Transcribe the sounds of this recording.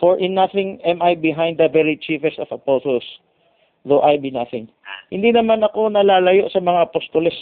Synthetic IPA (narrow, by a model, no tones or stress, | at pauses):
foɹʔɪnːɐθɪŋʔɛmajbɪɦãjnd̪ɐvɛlit͡ʃifɛst̪ɔvɐposols | ðoʔajbinaθɪŋ | hɪnd̪inɐmanɐko̞nɐlaːlɐjo̞ʔsɐmɐŋaʔɐpost̪olɛs